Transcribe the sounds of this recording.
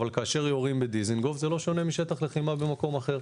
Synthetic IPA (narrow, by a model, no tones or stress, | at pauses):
valkaːʃe̞ʁjoʁimbed̪izinɡo̞vzelo̞ʃo̞ne̞miʃe̞t̪aχle̞χimabemako̞maχe̞ʁ